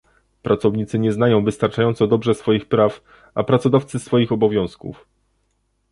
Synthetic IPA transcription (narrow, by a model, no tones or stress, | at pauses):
pɾʔat̪sɔvɲit̪sɘɲɛznajɔ̃w̃vɘst̪aɾt͡ʂajɔnt̪sɔd̪ɔbʐɛsfɔjixpɾaf | ʔapɾat̪sɔd̪aft̪sɘsfɔjixɔbɔvʲjɔ̃w̃skṵf